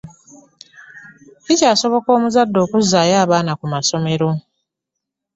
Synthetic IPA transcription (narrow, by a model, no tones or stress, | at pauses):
icaːso̞βo̞ko̞ːmuzadːo̞ːkuzːaːjaːβaːnakumaso̞me̞ɾo̞